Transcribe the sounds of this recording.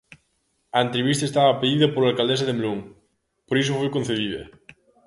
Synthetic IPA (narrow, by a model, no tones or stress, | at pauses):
aent̪ɾeβist̪aest̪aβaːpeðiðɐpoɾlalkald̪es̬ɐðemluŋ | poɾis̬ʊfojkonθeðiðɐ̰